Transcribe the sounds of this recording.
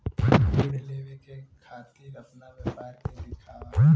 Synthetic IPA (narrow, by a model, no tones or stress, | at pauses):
iɽeleːʋekekʰaːt̪iːɾɐpnaʋepaːɾked̪ɪkʰa